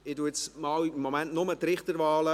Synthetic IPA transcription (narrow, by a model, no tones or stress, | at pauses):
ɪduət͡smɑwimːomæntnʊmət̪ɾɪχt̪əɾvɑːlə